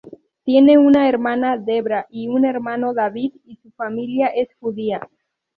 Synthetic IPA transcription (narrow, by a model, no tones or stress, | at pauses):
t̪je̞ne̞unaeɾmãnaðe̞βɾaʔiune̞ɾmãno̞ðaβiðisufamiljaʔe̞sxuðia